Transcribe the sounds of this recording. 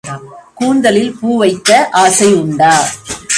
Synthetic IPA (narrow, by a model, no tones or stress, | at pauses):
kuːnd̪ɐlɪlpuːʋɐɪt̪ːɐʔaːsɐɪjʊɳɖaː